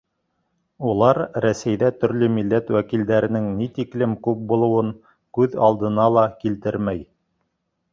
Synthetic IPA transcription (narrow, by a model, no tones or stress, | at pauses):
ulˠɑɾɾæsæjðæt̪ɵ̆ɾlɵmilːæt̪wækild̪æɾɘ̆nɘŋnit̪iklɘmkʉp̚bulˠɤ̆wɤŋ | kʉðɑlˠd̪ɤ̆nɑlˠɑkilt̪ɘɾmæj